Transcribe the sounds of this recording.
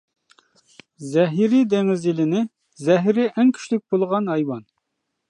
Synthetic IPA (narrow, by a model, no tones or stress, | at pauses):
zɛɦiɾid̪eŋɪzjilɪnɪ | zɛɦɾɪʔɛŋkʲʰy̥ʃlɪk̚ʲbolˠʁɑnhɑjwɑn